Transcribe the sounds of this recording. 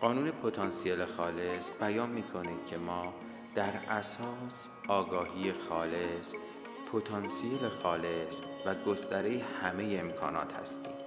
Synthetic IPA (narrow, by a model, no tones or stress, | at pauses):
ɢɒːnuːne̞pʰo̞t̪ʰɒnsijelexɒːle̞sbæjɒːnmiːkʰo̞ni̥cʰe̞mɒː | d̪̥æɾæsɒːs | ɒːɡɒːhiːje̞xɒːle̞s | pʰot̪ʰɒːnsielexɒːle̞s | væɡo̞st̪æɾejehæme̞jeemkʰɒ̰ːnɒ̰ːt̪hæ̰st̪ḭːm